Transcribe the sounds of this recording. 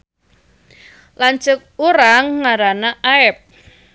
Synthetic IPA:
laɲt͡ʃʊk̚uɾaŋːaɾanaʔaɛp̚

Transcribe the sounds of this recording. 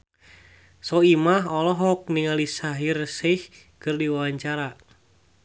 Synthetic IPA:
sɔimaɦɔlɔɦɔk̚niŋalisaɦirsɪh | kɨrdiwawaɲt͡ʃaɾa

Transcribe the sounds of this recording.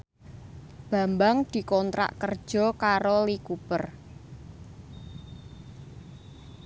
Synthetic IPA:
b̥a̤mbaŋd̪̥i̤kɔnt̪ɾa̰ʔkərd̥ʒ̥ɔ̤kaɾolikupər

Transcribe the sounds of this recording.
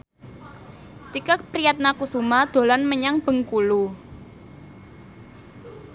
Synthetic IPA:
t̪ikəpɾiat̪̚nakusumad̪̥o̤lanməɲaŋb̥ə̤ŋkulu

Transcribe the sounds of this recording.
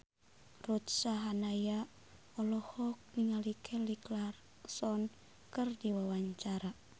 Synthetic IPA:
rut̪̚saɦanaja | ɔlɔhɔk̚niŋalikʰɛliklar | sɔn | kɨrdiwawaɲt͡ʃaɾa

